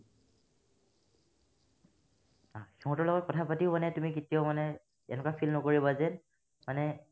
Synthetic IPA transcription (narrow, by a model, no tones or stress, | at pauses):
axɛɦɔ̃tɔɹlɔɡɔt̚kɔtʰapatiʊmanɛtumikitijɔʊmanɛ | ɛnɛkapʰilnɔkoɹibazɛn | manɛ